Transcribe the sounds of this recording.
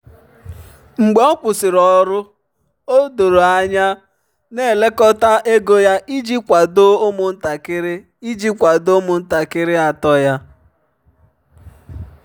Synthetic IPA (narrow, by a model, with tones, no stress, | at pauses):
ŋ͡m̩˨ɡ͡be˨˦ɔ˦kʷʊ˨sɪ˨ɾɔ˨ɾʊ˦ | o˦do˨ɾo˨a˨ɲa˦ | ne˨le˦kɔ˦ta˦ʔe˦ɡo˦ja˦ʔi˦d͡ʒi˦kʷa˨do˦mʊ˨n̩˦ta˨kɪ˦ɾɪ˦ | i˦d͡ʒi˦kʷa˨do˦mʊ˨n̩˦ta˨kɪ˦ɾɪ˦a˨tɔ˦ja˦